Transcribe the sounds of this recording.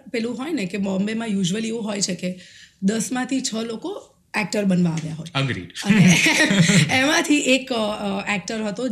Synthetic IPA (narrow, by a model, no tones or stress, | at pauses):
pɛlũɦɔjnekemɔmbemãjuʒʋəlieʋũɦojt͡ʃʰeked̪əsmãt̪ʰit͡ʃʰəloko | ɛk̚ʈəɾbənʋãːʋjaɦojəɡɾḭəne | emãt̪ʰiʔekɛk̚ʈəɾɦət̪o